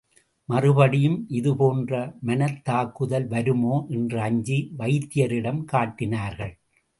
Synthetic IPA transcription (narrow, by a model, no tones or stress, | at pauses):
mɐrɯbɐɽɪjɯmʔɪðɯpoːndrɐmɐnɐt̪ːaːkɯðɐlʋɐɾɯmoːʔɛndrɐɐɲd͡ʒiʋɐɪt̪ːɪjɐɾɪɽɐmkaːʈːɪnaːɾɣɐɭ